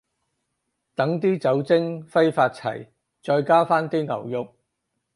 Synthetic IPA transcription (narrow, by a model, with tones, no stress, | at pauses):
t̪ɐ˨˥ŋt̪̬iː˥t͡sɐ˨˥wt͡sɪ˥ŋfɐ˥jfaː˧t̚t͡sʰɐ̰˨˩j | t͡ʃɔː˧jkaː˥faː˥nt̪iː˥ŋɐ̰˨˩wjʊ˨k̚